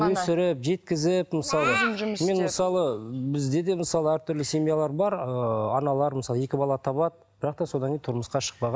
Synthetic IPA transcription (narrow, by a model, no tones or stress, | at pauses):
wɵsɪɾɪpʒe̞t̪kʲɪzɪpməsɑlˠəme̞nməsɑlˠəbɪzd̪e̞d̪e̞məsɑlˠəæɾt̪ʰʏɾlɪsʲe̞mijalˠɑɾbɑɾəɑnɑlˠɑɾməsɑlˠəje̞kʲɪbɑlˠɑt̪ʰɑβɑd̪əb̥ɪɾɑq̚t̪ɑso̞d̪ɑŋkʲejnt̪ʰʊɾməsqɑʃə̥q̚pɑʁɑ